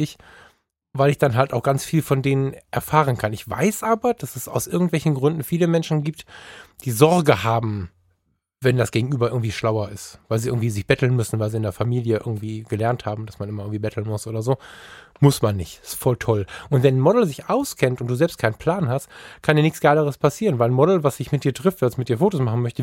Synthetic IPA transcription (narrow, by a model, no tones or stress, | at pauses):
ɪç | vaɪlɪçd̥anɦaltaʊxɡ̥ant͡sfiːlfɔndeːnənʔɛɐfaːʁ̞ənkʰanɪçv̥a̰ɪsʔaːbɐd̥asɛsa̰ʊsʔɪɐɡŋ̩tv̥ɛlçn̩ɡʁʏndn̩fiːləmɛnʃn̩ɡiːp̚td̥iːzɔɐɡəhaːbm̩ | vɛndasɡ̥eːɡŋ̩ʔyːbɐʔɪɐɡŋ̩tv̥iːʃlaʊɐɪstvaɪlziʔɪɐɡŋ̩v̥iːzɪçb̥ɛtl̩nmʏsn̩vaɪlziːɪndeːɐfamiːljəʔɪ̰ɐɡŋ̩tv̥iːɡ̥əlɛɐnthaːbm̩d̥asmanʔɪmɐʔɪŋ̩tv̥iːbɛtʰl̩nmʊsʔoːdɐzoːmʊsmanːɪçtɪ̥stfɔltʰɔlʔʊntv̥ɛnnmɔdl̩zɪçʔaʊskʰɛntʊntd̥uːzɛlpst̚kʰaɪnpʰl̥aːnɦastkʰandiːɐnɪçsɡ̥aɪləʁ̞əspʰasiːʁənvaɪlnmɔdl̩vasd̥ɪçmɪt̚d̥iːɐtʁ̥ɪftv̥asmɪt̚d̥iːɐfoːtosmaχn̩mœçtə